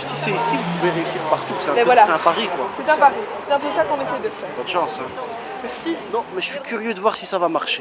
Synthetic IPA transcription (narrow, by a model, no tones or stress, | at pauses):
sisɛisivupuveʁeysiʁpaʁt̪usɛɛ̃ɛvvwalasɛãpaʁikwaset̪ãpaʁi | et̪ãd̪eʒakɔ̃nesɛjd̪əfɛːʁpad̪ʃɑ̃sɛ | mɛʁsinɔ̃mɛʒəsɥikʲyʁjød̪əvwaʁsisavamaʁʃe